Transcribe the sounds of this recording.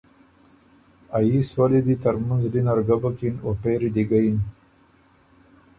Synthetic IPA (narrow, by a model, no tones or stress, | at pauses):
ajiswalid̪it̪aɾmanzɖinaɾɡabakinwapeɾid̪iɡajin